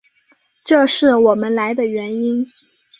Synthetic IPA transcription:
ʈ͡ʂɤ˥˧ʂɻ̩˥˩wɔ˨˩mə˦nla˧˥ɪd̪ə˧ɥɛ˧˥ni˥n

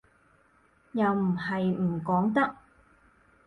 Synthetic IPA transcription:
jɐ˨wm̩˨˩hɐ˨jm̩˨˩kɔː˨˥ŋt̪ɐ˥k̚

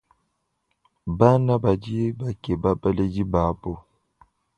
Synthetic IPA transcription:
ba˦na˦ba˨d͡ʒi˦ba˨ke˨ba˦bə˦le˦d͡ʒi˦ba˨˦bo˦˨

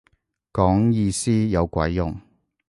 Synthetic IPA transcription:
kɔː˨˥ŋjiː˧siː˥jɐ˨˧wkʷɐ̰˨˥jːʊ̰˨ŋ

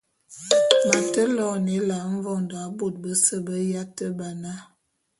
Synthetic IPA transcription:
ma˨tə˦lɔ˦˨ne˨˦la˨˦ɱ̩˦vɔ˦˨nda˨˦bo˦˨t̚bə˦sə˦bə˦ja˦tə˦ba˨na˦

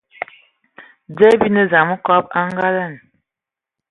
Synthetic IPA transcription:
d͡zɛ˦bi˦nə˦za˨mə˦kɔ˦p̚a˦ŋɡa˦lə˦˨n

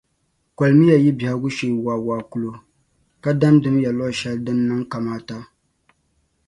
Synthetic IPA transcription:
kʷa˨lmi˦ja˨ji˦bi˨ha˦ɡʊ˦ʃe˨waː˨waː˨ku˦lo˨ | ka˦da˦ndɨ˦mja˨lɔ˦ʃɛ˦ldɨ˦nːɨ˦ŋka˨maː˦ta˦

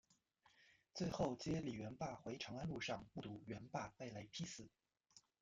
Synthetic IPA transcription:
t͡swe˥˧ɪxo˥˩ʊt͡ɕjɛ˥li˨˩ɥɛ˧˥npa˥˩xwe˧˥ɪʈ͡ʂʰɑ˧˥ŋa˥nlu˥˧ʂɑ˥˩ŋpu˥˩t̪u˧˥ɥɛ˧˥npa˥˩pa˥˩ɪla˧˥ɪpʰi˥sɹ̩˨˩˦

